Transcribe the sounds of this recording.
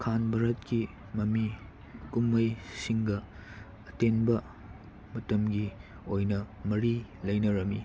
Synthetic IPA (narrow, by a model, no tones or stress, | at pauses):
kʰanbʱɐɾɐt̚ki | mɐmi | kumːɐjsiŋɡɐː | tenbɐ | mɐtɐmɡi | ojnɐmɐɾilɐjnɐɾɐmi